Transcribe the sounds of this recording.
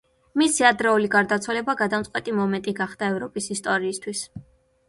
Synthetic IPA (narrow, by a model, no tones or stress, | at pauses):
misiad̪ɾɛuliɡaɾd̪at̪sʰwalɛbaɡad̪amt̪sʼqʼwɛt̪ʼimɔmɛnt̪ʼiɡaχd̪aɛvɾɔpʼisist̪ʼɔɾiːst̪ʰwis